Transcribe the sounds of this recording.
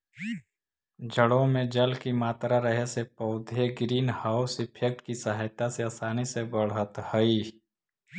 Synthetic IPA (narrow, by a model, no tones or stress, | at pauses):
d͡ʒʱəɽõmẽd͡ʒəlkimaːt̪ɾaɾəɦesepəʊd̪ʱeɡɾiːnhaːʊsɪpʰek̚ʈkisaɦajt̪aseaːsaːnisebəɽ̤ɦət̪həi